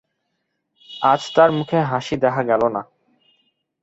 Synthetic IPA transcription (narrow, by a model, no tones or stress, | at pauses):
ad͡ʑt̪aɾmukʰeɦaʃid̪ɛkʰaɡɛlona